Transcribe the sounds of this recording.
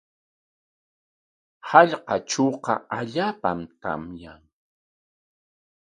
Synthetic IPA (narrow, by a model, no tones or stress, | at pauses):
hɑʎqɑt͡ʃoqɑ̰aʎaːpamt̪a̰mjaŋ